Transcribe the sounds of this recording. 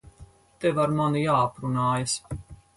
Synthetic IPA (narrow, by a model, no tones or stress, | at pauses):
t̪evaɾmanujaːapɾunaːjas